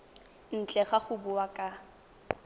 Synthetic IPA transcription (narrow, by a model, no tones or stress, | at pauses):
n̩t͡ɬʼɛχaχʊbʊwakʼa